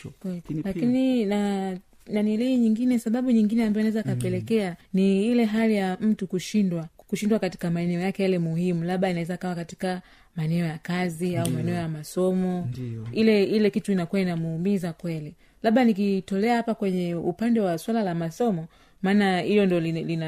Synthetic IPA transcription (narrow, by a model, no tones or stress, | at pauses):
klakinina | naniliiɲiŋɡinɛsaɓaɓuɲiŋɡinɛambaɔnaɛzaikapɛlɛkɛaniilɛɦalijam̩tukuʃindwakuʃindwakati̥kamaɛnɛɔjakɛjalɛmuhimulaɓainaɛzaikawakati̥ka | maɛnɛɔjakaziaumaɛnɛɔjamasɔmɔilɛilɛkituinakuwainamuumizakwɛli | laɓanik̬itɔlɛahapakwɛɲɛupandɛwaswalalamasɔmɔ | maːnailɔndiɔlilina